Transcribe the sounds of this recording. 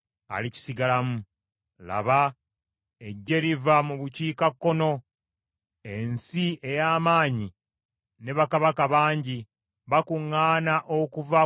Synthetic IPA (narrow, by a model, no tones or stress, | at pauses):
a̰lici̥siɡalamu | la̰βa | eɟːe̞livamuβuciːkakːo̞no̞ | e̞nsie̞jaːmaːɲi | ne̞βakaβakaβaːɲɟi | βakuŋːaːnaʔokuva